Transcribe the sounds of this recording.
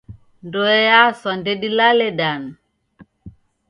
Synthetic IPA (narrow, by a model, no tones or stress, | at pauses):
ndoɛjasɔndedilaleɗan